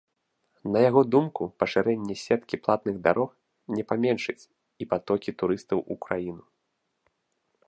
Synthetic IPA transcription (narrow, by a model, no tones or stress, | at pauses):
nɐjaɣɔd̪umkupɐʂɨɾɛnʲːɛsʲɛt̪kʲiplˠat̪nɨɣd̪aɾʔɔx | nʲɛpamʲɛnʂɨt͡sʲ | ipat̪ɔkʲit̪uɾɨst̪ɐwukɾajinu